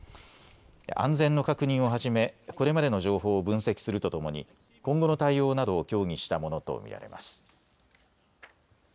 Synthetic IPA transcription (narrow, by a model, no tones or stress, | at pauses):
ã̰nd͡zẽ̞nːo̞kakɯ̟ɲ̟ĩɰ̃o̞ɦaʑime̞ko̞ɾe̞mad̪e̞no̞ʑo̞ːɦo̞ːbɯ̟̃ɰ̃se̞kʲi̥sɨɾɯ̟t̪o̞t̪o̞mo̞ɲ̟ḭ | kõ̞ŋɡo̞no̞t̪aijo̞ːnad̪o̞ːkʲo̞ːŋ̟ʲiɕi̥t̪amo̞no̞t̪o̞̰mʲḭɾa̰ɾe̞̰mʔa̰sɨ̥